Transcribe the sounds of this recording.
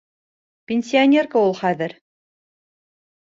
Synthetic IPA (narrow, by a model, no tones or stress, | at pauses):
pʲɪnʲsʲɪanʲerkaulˠχæðɘɾ